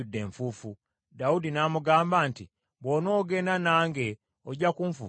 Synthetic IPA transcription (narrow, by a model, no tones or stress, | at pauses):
udːe̞ːɱfuːfu | daudinaːmuɡaːmbaːnti | βono̞ːɡe̞nanaːŋɡe̞ | oɟakuɱfṵː